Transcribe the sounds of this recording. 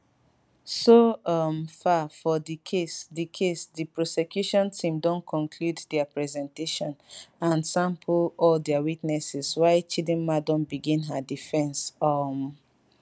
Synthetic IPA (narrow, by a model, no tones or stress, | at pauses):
soɔmfafɔdikʰesdikʰesdipɹɔsɛkjuʃɔ̃ntʰĩmdɔ̃nkʰɔ̃nkʰluddɛapɹɛzɛ̃nteʃɔ̃nãnsãmpʰɔldɛawitnɛsɛswaɪt͡ʃidɛ̃nmadɔ̃nbiɡĩnɦədifɛ̃nsɔm